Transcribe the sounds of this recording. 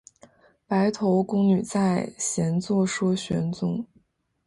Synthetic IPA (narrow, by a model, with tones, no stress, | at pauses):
pa˧˥ɪt̪ʰo˧˥ʊkʊ˥ŋny˨˩t͡sa˥˩ɪɕjɛ˧˥nt͡swɔ˥˧ʂwɔ˥ɕɥɛ̰˧˥nt͡sʊ˧˥˦ŋ